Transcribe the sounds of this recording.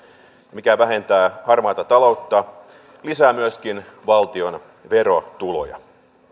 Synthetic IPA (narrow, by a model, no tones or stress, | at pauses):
mikæʋæɦe̞nt̪æːhɑrmɑːt̪ɑt̪ɑlo̞wt̪ːɑ | lisæːmyøskinʋɑlt̪io̞n | ʋe̞ɾo̞t̪ulo̞̰jɑ̰